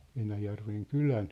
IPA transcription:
enæjærʋeŋ kylæn

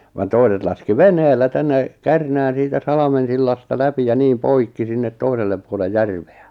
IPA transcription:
ʋɑn toiset lɑski ʋenheːlːæ tænːe kærnæːn̞ siːtæ sɑlɑmen̞silːɑstɑ læpi jɑ niːm poikːi sinːet toiselːep puole jærʋ̥e̥æ̥

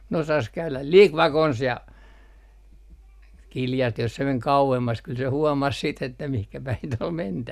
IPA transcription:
ne osɑs kæylæl lik ʋɑkons jɑ kiljɑstih jos se meŋ kɑuemːɑs kyl se huɔmɑs siːt etːæ mihkæ pæin t ol mentæʋæ

